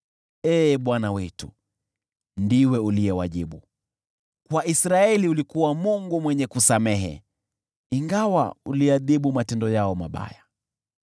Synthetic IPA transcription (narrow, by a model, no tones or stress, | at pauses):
ɛːɓwanawɛtu | ndiwɛulijɛwaʄiɓu | kwaʔisɾaɛliulikuwamuŋɡumwɛɲɛkusamɛɦɛ̰ | iŋɡawa̰uliaðiɓumatɛndɔjaɔmaɓa̰ja